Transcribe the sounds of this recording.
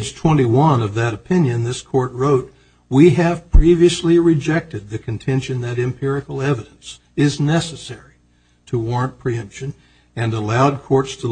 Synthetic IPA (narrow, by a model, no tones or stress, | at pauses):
ʒ̥tʰw̥ɛ̃ɾ̃iwʌ̃nʌvðɨɾɨpʰɪ̃njɨ̃nðɪskʰɔɹt̚ɹoʊt̚ | wiɨv̥pʰɹ̥iviɨsliɹɨd͡ʒɛk̚tɨd̪̚ðɨkʰɨ̃ntʰɛ̃nʃɨ̃nðɨɾɨ̃mpʰɪɹɨkl̩ˠɛvɨɾɨ̃n̩s | ɪznɛsɨsɛɹi | ɾəwɔɹɨ̃npʰɹ̥iʌ̃mpʃɨ̃n | ɨ̃nəlaʊd̚kʰɔɹtstʰə